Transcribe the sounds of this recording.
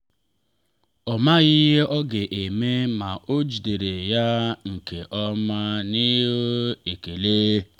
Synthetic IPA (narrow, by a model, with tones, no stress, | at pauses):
ɔ˨ma˦ɣi˦ɦe˦ʔɔ˦ɡe˨ʔe˨me˦ma˨ʔo˦d͡ʒi˨de˨ɾe˨ja˦ŋ̩˨ke˨ʔɔ˦ma˦ni˦ɦo˦e˨ke˨leː˦